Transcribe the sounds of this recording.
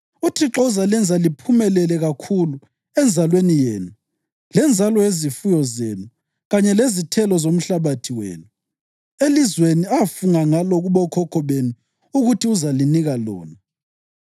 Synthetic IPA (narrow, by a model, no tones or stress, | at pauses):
utʰiǁɔzalɛnd͡zʱalipʰumɛlɛlɛɣakʰulu | ɛnd͡zʱalwenijeːnu | lɛnd͡zʱalɔezifujɔzenu | ɣaɲɛlezitʰɛlɔzom̩ɬaβatʰiwḛːnu | elizweniafuŋaŋalɔɣuβɔkʰɔkʰɔβenu | uɣutʰiuzaliniɣalɔ̰ːna